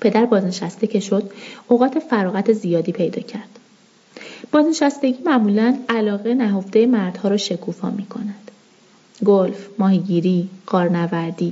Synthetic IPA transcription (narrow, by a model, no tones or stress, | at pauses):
pʰe̞d̪æɾbɒːzne̞ʃæst̪ecʰe̞ʃo̞d̪oɣɒːt̪ʰe̞fæɾɒːɣæt̪ʰe̞zijɒːd̪iːpʰe̞jd̪ɒ̰ːcʰæɾd̪̥ | b̥ɒːzne̞ʃæst̪e̞ɟiːmæʔmulænælɒːɣenæɦo̞fd̪e̞jemæɾd̪̥hɒːɾɒːʃe̞kʰuːfɒ̰ːmiːkʰo̞̰næd̪̥ | ɡolfmɒːhiɟiːɾiːɢ̥ɒːɾnævæɾd̪iː